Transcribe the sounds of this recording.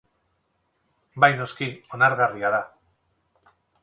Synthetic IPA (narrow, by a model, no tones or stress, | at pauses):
bajno̞skio̞naɾɣariaða